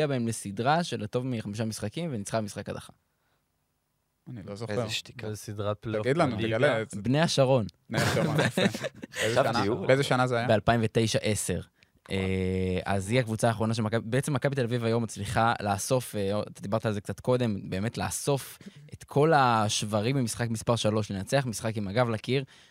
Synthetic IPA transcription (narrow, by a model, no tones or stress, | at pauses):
abaemlesidʁaʃelato̞vmiχamiʃ̬amisχakimvenit͡sχamisχakad̪a̰χa | anilozosid̪ʁaplɡid̪lanulebnejaʃaʁo̞nbneao | eznabezeʃanazeajabealpaimvet̪e̞jʃaʔe̞se̞ʁ | ʔea̰ziakvut͡saːχʁo̞naʃ̬emakabibeet͡semːakabit̪elavivajo̞mːat͡sliχalaːso̞feoat̪ad̪ibaʁt̪aːlzekt͡sat̪ko̞d̪e̞mbe̞ːme̞tla̰ːso̞fʔet̪kʰo̞laʃvaʁimbemisχakmispaʁʃalo̞ʃlenat͡seaχmisχakimaɡavlakiʁ